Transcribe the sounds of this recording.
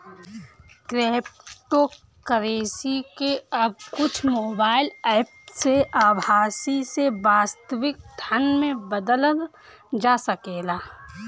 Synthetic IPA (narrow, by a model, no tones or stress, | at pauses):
kɾeːpʈo | kəɾeːsikeɐb̚kʊt͡ʃʰmoːbaːɪlɛːpseaːbʱaːsisebaːst̪əʋɪk̚d̪ʰʱanmẽbəd̪ələn | d͡ʒaːsəkeːlaː